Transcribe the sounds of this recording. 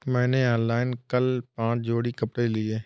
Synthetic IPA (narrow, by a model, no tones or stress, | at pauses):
mɛ̃ːneaːnlaːɪnkəlpãːt͡ʃd͡ʒoːɽikəpɽelɪeː